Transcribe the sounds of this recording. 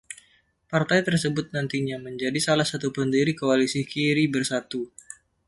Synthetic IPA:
part̪ajt̪ərsəbʊt̪̚nant̪iɲaməɲd͡ʒadisalahsat̪upəndiɾikoalisikiɾibərsat̪u

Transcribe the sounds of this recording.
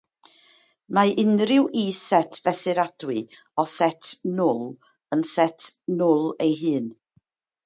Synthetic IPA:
maɪnrɪwʔisɛtʰb̥ɛsɨɾad̥wɨ | ɔsɛtʰnʊlˠ | ənsɛtʰnʊlˠejɦɨːn

